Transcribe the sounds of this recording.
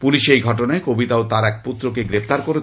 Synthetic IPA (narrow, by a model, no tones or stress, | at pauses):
puliʃejɡʱɔʈonaekobit̪aot̪aɾɛk̚put̪ːɾokeɡɾept̪aɾkoɾe